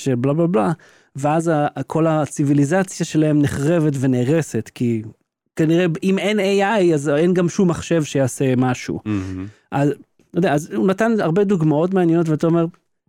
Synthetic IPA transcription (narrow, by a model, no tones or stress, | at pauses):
ʃeblablabla | veazakʰo̞lat͡sivilizat͡sjaʃe̞lahe̞mneχʁe̞ve̞tve̞neːʁe̞se̞tki | kaniʁeime̞neajazenɡamʃumːaχʃe̞vʃejaːse̞maʃṵ | ʔaz | jodeaazunatanaʁbe̞d̪uɡmao̞t̬maːnjeno̞tveataome̞ʁ